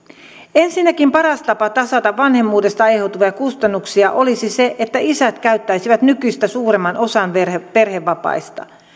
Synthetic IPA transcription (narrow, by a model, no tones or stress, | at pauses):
ensinːækimpɑɾɑst̪ɑpɑt̪ɑsɑt̪ɑʋʋɑnhe̞mːuːde̞st̪ɑehot̪uʋejɑkust̪ɑnːuksiɑʔo̞lisise̞ʔet̪ːæisæt̪kæyt̪ːæjsiʋæt̪nykyist̪æsuːɾe̞mːɑnʔo̞sɑnʋerpe̞rheʋːɑpɑ̰ist̪ɑ̰